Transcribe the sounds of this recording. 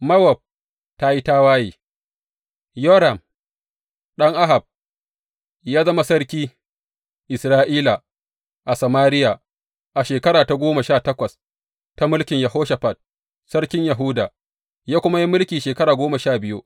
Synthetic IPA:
mɐ˦wɐ˨b̚ | ta˦ji˦taː˦waː˦jḭː˨ | joː˦ɾa˨m | ɗɐ˦ŋʔa˦ɦa˨b̚ | jaː˦zɐ˦ma˦sɐ˦ɾkʲiː˦ | ʔɪ˨sɾaː˦ʔiː˦la˨ | ʔa˨sɐ˨maː˦ɾɪ˦ja˨ | ʔa˨ʃeː˨kɐ˦ɾaː˨ta˨ɡʷoː˦ma˨ʃaː˦˨tɐ˦kʷɐ˨s | ta˦mʊ˦lkʲɪ˨ɲja˨ɦoː˦ʃa˨ɸa˨t̚ | sɐ˦ɽkʲɪ˦ɲja˨ɦʊ˦da̰˨ | jaː˦kʷʊ˦ma˦ji˦mʊ˦lkʲiː˨ʃeː˨kɐ˦ɾaː˨ɡʷoː˦ma˨ʃaː˦˨bɪ˦jṵ˦

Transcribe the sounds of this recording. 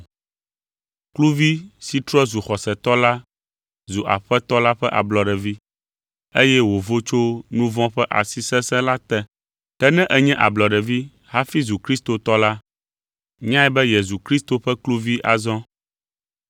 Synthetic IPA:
klu˦vi˦si˨t̪ɾɔ˦ɛ˦zu˨xɔ˨sɛ˨t̪ɔ˦la˦ | zu˨ʔa̰˨ɸɛ˦t̪ɔ˦la˦ɸɛ˦ʔa̰˨blɔ˨ɖɛ˨vi˦ | e˦jɛ˦wo˨vo˦t͡ʃo˦nũ˦vɔ̃˦ɸɛ˦ʔa̰˨si˨sɛ̃˦sɛ̃˦la˦t̪ɛ˦ | kɛ˦nɛ̃˦ʔɛ˦ɲɛ̃˦ʔa˨blɔ˨ɖɛ˨vi˦ | ɦa˦fi˦zu˨kɾi˦st̪o˨t̪ɔ˦la˦ | ɲ˦ã˦ɛ˦bɛ˦je˨zu˨kɾi˦st̪o˨ɸɛ˦klu˦vi˦ʔa̰˨zɔ̃˦

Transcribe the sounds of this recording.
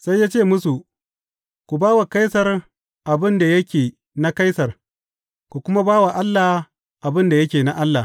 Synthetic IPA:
sa˦jːaː˦t͡ʃeː˦˨mʊ˦su˨ʔ | kʷu˨baː˦wa˨ka˦jsɐ˨r | ʔa˨bɪ˦nda˨jɐ˦kʲeː˨ | na˦ka˦jsɐ˨r | ku˨kʷʊ˦ma˦baː˦wa˨ʔa˦lːa˨h | ʔa˨bɪ˦nda˨jɐ˦kʲeː˨na˦ʔa˦lːa˨

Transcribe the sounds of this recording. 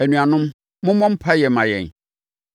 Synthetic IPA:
æ˨nũ˨a˨nʊ̃˦m | mʊ̃˦mɔ̃˦m̩˦pʰa˦jɛ˨mã˨jɛ̰̃˨n

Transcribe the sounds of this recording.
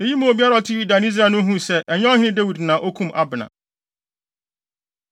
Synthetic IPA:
e˦ji˦mũ˦o˨bi˦a˦ɾa˨tʰɪ˦i˦dã˨ni˦s̬ɾa˨nʊ̃˦ɦũ˦sɛ˦ʔɛ˨ɲ˦ɔ˦hɪ̃˦nɪ̃˦de˦wi˨dnãː˨ʔo˦kʰũ˦mʔa̰˦bɪ˨nã̰˨

